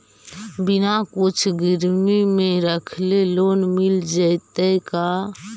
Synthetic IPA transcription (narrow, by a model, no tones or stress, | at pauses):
binakut͡ʃʰɡiɾmimẽɾəkʰlelonmild͡ʒəjt̪əka